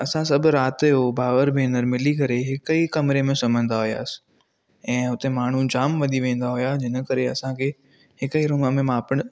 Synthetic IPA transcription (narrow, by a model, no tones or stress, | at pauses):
ɐsãsɐbʱɾaːt̪ɦobʱaːʋəɾbʱẽːnəɾmɪlikɐɾeɦɪkikɐmɾemẽsɐm̤ə̃n̆d̪aɦʊja̰ːs | ɛ̃ːɦʊt̪emaːɳ̤ũd͡ʑaːmʋɐd̪ʱiʋẽːn̆d̪aɦʊjad͡ʑʱɪnə̆kɐɾeɐsãkʰeː | hɪkəiɾʊːməmẽmãːpəɽ̃